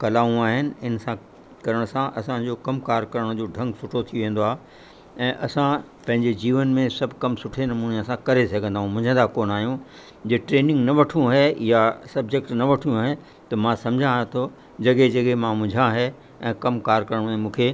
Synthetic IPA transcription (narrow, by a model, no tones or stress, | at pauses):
kɐlaːũaːɦɪnɪ̆ɪnsã | kɐɾəɽ̃sãʔɐsãd͡ʑoːkɐmkaːɾkɐɾəɽ̃d͡ʑoːɖʱɐ̃ŋɡsʊʈʰot̪ʰijoʋẽːn̆d̪oaːɦe | ɛ̃ːʔɐsã | pɐ̃ɦɪ̃ɲd͡ʑed͡ʑiːʋənmẽsɐbʱkɐmsʊʈʰenɐmuːneɐsãkɐɾesɐɡʱə̃nd̪aːɦũmʊ̃d͡ʑʱə̃nd̪akoːnaːɦijũ | d͡ʑeʈɾeːnɪ̃ŋɡnɐʋɐʈʰijũɦɛjasɐb̚d͡ʑekʈnɐʋɐʈʰijũɦe | t̪ɐmãsɐ̃md͡ʑʱãt̪ʰo | d͡ʑɐɠed͡ʑɐɡemãmʊ̃d͡ʑʱãɦɛ | ɛ̃ːkɐmkaːɾkɐɾəɽ̃mẽmũːkʰeː